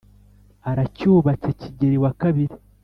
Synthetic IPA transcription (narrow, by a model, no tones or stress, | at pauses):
aɾacuːβaceciɟeɾiwakaβiɾi